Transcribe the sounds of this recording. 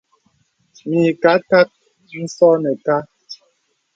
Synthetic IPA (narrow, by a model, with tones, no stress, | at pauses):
mi˨ka˨˦ka˦t̚ | n̩˦sɔ˦nɛ˨ka˦